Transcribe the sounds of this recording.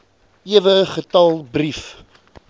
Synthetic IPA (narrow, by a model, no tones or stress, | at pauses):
iəvəχətɐlˠbrif